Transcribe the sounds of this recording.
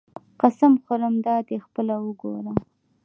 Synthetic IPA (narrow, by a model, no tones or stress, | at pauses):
qasamxʊɾəmd̪ɑd̪expəlawəɡo̰ɾa